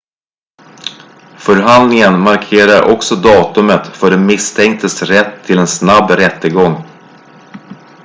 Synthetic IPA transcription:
fœɾɦand̪nɪŋənmaɾkʰeːɾaɾʔɔ̰ksɔd̪ɑːt̪ɵmət̪fœɖɛmɪst̪ʰɛŋk̚t̪ʰəsɾɛt̪ʰːɪlɛnsnabːɾɛt̪ːəɡɔŋː

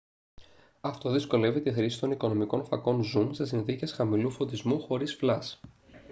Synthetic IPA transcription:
ɐft̪o̞ðisko̞le̞vit̪ixɾisi̥t̪o̞niko̞no̞miko̞nfɐ̰ko̞nzumsesinθice̞sxɐmilufo̞t̪izmuxo̞ɾisflɐs

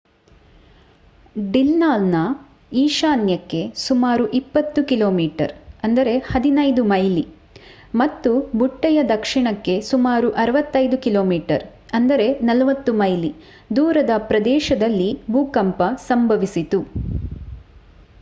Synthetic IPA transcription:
ɖilnaːlnɐ | iːʃaːnjɐkːe̞sumaːɾuʔipːɐt̪ːukilo̞ːmiːʈɐ̰ɾɐnd̪ɐɾe̞hɐd̪inɐjd̪umɐjli | mɐt̪ːubuʈːɐjɐd̪ɐkʂiɳɐkːe̞sumaːɾuʔɐɾɐʋɐt̪ːɐjd̪ukilo̞ːmiːʈɐɾ | ɐnd̪ɐɾe̞nɐlɐʋɐt̪ːumɐjli | d̪uːɾɐd̪ɐpɾɐd̪ɛːʃɐd̪ɐlːibʱuːkɐmpɐsɐmbʱɐʋisit̪u

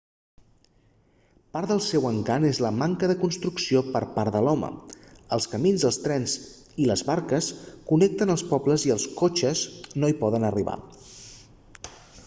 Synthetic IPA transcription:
paɾðəlˠsɛwəŋkanezləmaŋkəðəkunst̪ɾuksiopəɾpaɾðəlɔmə̰əlˠskəminzðəlˠst̪ɾɛnz | iləzβaɾkəskunɛk̚t̪ənəlˠspɔbləziəlˠskot͡ʃəznoipɔðənəriβa̰

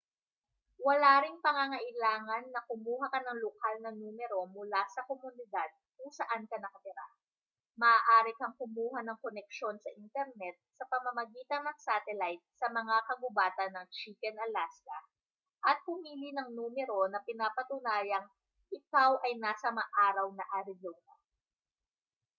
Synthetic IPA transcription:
wɐlaːɾɪŋpɐŋaŋɐʔɪlaːŋɐnːɐkʊmuːɦɐkɐnɐŋlokalnɐnuːmɛɾo̞mʊlasɐkomʊnɪd̪ad̪̚kʊŋsɐʔankɐnɐkɐt̪ɪɾa | mɐʔaːʔaːɾɪkɐŋkʊmuːɦɐnɐŋkonɛk̚ʃo̞nsɐʔint̪ɛɾnɛt̪̚sɐpɐmɐmɐɡiːt̪ɐnɐŋsat̪ɛlajt̪̚sɐmɐŋakɐɡʊbaːt̪ɐnːɐŋt͡ʃiːkɛnɐlast̪ɐ | ʔɐt̪̚hʊmiːlinɐŋnuːmɛɾo̞nɐpɪnaːpɐt̪ʊnaːjɐŋ | ʔɪkawʔɐjnaːsɐmɐʔaːɾɐwnɐʔɐɾɪzonɐ̰

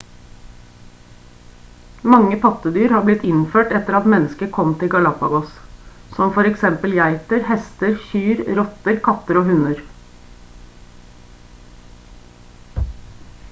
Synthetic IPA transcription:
mɑŋːəpʰɑt̪əd̪yːɾhɑːɾblɪt̪ːɪnføːʈɛt̪əɾɑt̪mɛnːəskəkʰɔmt̪ʰɪɡɑlɑpɑɡɔssɔmfɔɾɛksɛmpəljæɪt̪əɾhɛst̪əɾçyːɾɾɔt̪əɾkʰɑt̪əɾoːhʉnəɾ

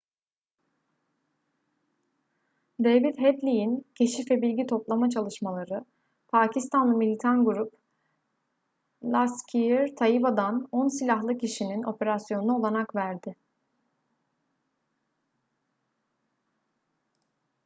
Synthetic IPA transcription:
d̪evid̪ɦɛd̪lʲijincʰe̞ʃifɛbilʲɟit̪ʰo̞plˠamat͡ʃʰalˠɯʃmalˠaɾɯ | pʰaːcʰist̪ʰanlˠɯmilʲit̪ʰanɡuɾup | lˠascʰijɾt̪ʰajibad̪anonsilʲaɦlˠɯcʰiʃinino̞pʰe̞ɾasjo̞nunao̞lˠanakvæɾd̪ɪ

